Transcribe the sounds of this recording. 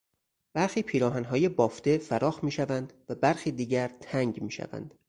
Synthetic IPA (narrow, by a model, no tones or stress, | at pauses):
b̥æɾxiːpʰiːɾɒːɦænɦɒːjebɒːft̪e̞fæɾɒːxmiːʃævænd̪̥væbæɾxiːd̪iːɟæɾt̪ʰæŋɟmiːʃæ̰væ̰nd̪̥